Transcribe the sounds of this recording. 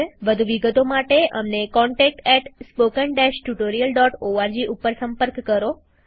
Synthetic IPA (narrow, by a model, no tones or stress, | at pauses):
ʋəd̪ʱuʋiɡət̪omaʈeʔə̰mnekɔɳʈɛk̚ʈɛʈspokəɳɖɛʃʈuʈoɾijəlɖɔʈoaɾd͡ʒiʔupəɾsə̃mpəɾkːəɾo